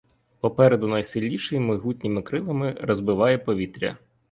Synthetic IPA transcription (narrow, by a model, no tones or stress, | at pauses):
pɔpɛɾɛd̪ʊnɐjsɪlʲnʲiʃɪjmɪɦutʲnʲimɪkɾɪlˠɐmɪrɔzbɪʋɑjɛpɔʋʲit̪ɾʲɐ̰